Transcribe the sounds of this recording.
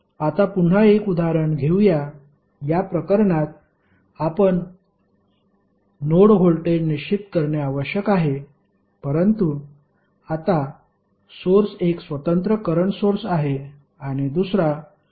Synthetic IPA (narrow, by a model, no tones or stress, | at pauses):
at̪apuɳ̤ːaekud̪aɾəɳɡʱewja | japɾəkəɾɳat̪̚ | apəɳ | noɽɦoɭʈeniit̪kəɾɳjaaʋəɕjəkaɦe | pəɾənt̪u | at̪a | soɾseksʋət̪ənt̪ɾəkəɾəɳsoɾsaɦe | aɽ̃id̪usɾa